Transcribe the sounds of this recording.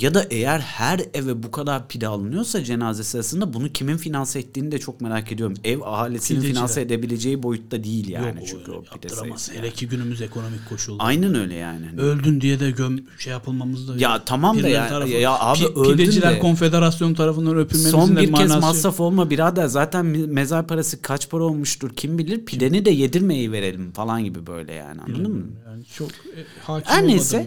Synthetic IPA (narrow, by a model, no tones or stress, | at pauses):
jad̪aʔe̞jæɾhæɾɛvɛbukʰad̪aɾpʰid̪aːlˠɯnɯjo̞ɾsad͡ʒe̞naːzesɯɾasɯnd̪abunucʰiminfinansaet̪ːiːnid̪ɛt͡ʃʰo̞k̚me̞ɾaːcʰed̪ijo̞ɾumɛvaɦaːlʲisininfinansaed̪e̞bilʲe̞d͡ʒe̞jibo̞jut̪ːad̪ijilʲja̰ːnit͡ʃʰyɲcʰyo̰pid̪̥eḛeɾecʰiɟynymyzekʰo̞no̞mic̚ʰːo̞ʃulˠajnanø̞jlʲɛ̰ja̰ːniølʲd̪ynd̪ijɛd̪ɛɟømʃejapʰɯlˠmamɯzd̪ajat̪ʰamamd̪ajaaːbiʔøilʲd̪eyd͡ʒilʲæɾkʰo̞nfe̞d̪eɾasjont̪ʰaɾafɯnd̪anøpʰyɾseo̞nbiɾɛzmasɾafo̞lˠmabiɾazd̪azaːt̪ʰænme̞zaɾpʰaɾasɯkʰat͡ʃpʰaɾo̞lˠmuʃt̪uɾcʰimbilʲiɾpʰilʲe̞nid̪ɛje̞d̪iɾmejejive̞ɾe̞lʲimfalˠanɟibibø̞̰jlʲɛ̰ja̰ːnɪa̰nˠad̪ɯmt͡ʃʰo | haæɾnːesɛ